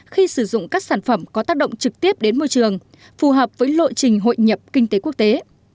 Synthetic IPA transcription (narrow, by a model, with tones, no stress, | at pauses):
xi˧sɨ˧˩zʊ̰˧˨ŋ͡mkaː˦˥k̚saː˧˩nfə˧˩mkɔ˨˦t̪aː˦˥k̚ɗə̰˧˨ŋ͡mt͡ɕɨ˨˩k̚t̪i˦˥əp̚ɗe˨˦nmo˧jt͡ɕɨ˨˩əŋ | fu˨˩ɦəː˨˩p̚vəː˨˦jlo̰˧˨jt͡ɕï˨˩ŋ̟ɦo̰˧˨jɲə˨˩p̚kï˧ŋ̟t̪e˨˦ku˦˥ək̚t̪e˨˦